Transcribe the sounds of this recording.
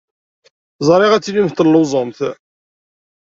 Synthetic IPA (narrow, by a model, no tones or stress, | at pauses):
zˤɾˤɪʁæt͡sːilimθt̪əlːʊzˤəmθ